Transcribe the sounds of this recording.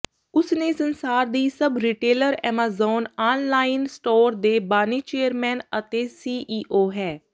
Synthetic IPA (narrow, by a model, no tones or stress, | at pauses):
ʊsnẽːsənsaːɾd̪iːsəbɾiːʈeːləɾɛ̰ːmaːzoːnaːnlaːɪnsʈoːɾd̪eːbaːniːt͡ʃeːəɾmɛːnət̪eːsiːʔiːʔoːɦɛː